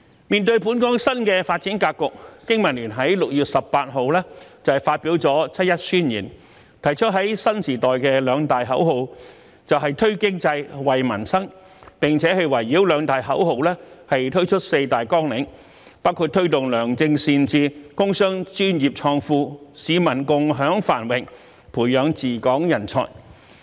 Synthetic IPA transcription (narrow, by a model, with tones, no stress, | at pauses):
miː˨nt̪ɵ˧ɥpuː˨˥nkɔː˥ŋsɐ˥nkɛː˧faː˧t̚t͡siː˨˥nkaː˧kːʊ˨k̚kɪ˥ŋmɐ˨˩nlyː˨˩nɦɐ˨˥jlʊ˨k̚jyː˨t̚sɐ˨ppːaː˧t̚ɦo˨wlɛː˥t͡sɐ˨faː˧t̚piː˨˥wt͡sɔː˨˥t͡sʰɐ˥t̚jɐ˥t̚syː˥njiː˨˩n | t̪ʰɐ˨˩jt͡ʃʰɵ˥t̚ɦɐ˨˥jsɐ˥nsiː˨˩t̪ɔː˨jkɛ˧lœː˨˧ŋt̪aː˨jɦɐ˨˥wɦo˨w | t͡sɐ˨wɦɐ˨jt̪ʰɵ˥ɥkɪ˥ŋt͡sɐ˧jwɐ˨jmɐ˨˩nsɐ˥ŋ | pɪ˨ŋt͡sʰɛː˨˥hɐ˨jwɐ˨˩jːiː˨˥wlœː˨˧ŋt̪aː˨jɦɐ˨˥who˨wlɛː˥hɐ˨jt̪ʰɵ˥ɥt͡ʃʰɵ˥t̚se˧jt̪aː˨jkɔː˥ŋlɪ˨˥ŋ | paː˥wkʰu˧t̪ʰɵ˥ɥt̪ʊ˨ŋlœː˨˩ŋt͡sɪ˧ŋsiː˧nt͡siː˧kʊ˥ŋsœː˥ŋt͡ʃyː˥njiː˨˩p̚t͡ʃʰɔː˧ŋfuː˧siː˨˧mɐ˨˩nkʊ˨ŋɦœː˨˥ŋfaː˨˩nwɪ˨˩ŋ | pʰuː˨˩jjœː˨˧ŋt͡siː˨kɔː˨˥ŋjɐ˨˩nt͡sʰɔ̰ː˨˩j